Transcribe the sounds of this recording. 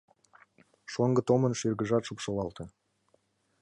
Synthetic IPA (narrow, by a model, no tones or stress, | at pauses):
ʃoŋɡə̆t̪omənʃyrɡəʒɑt̪ʃupʃolɑlt̪ĕ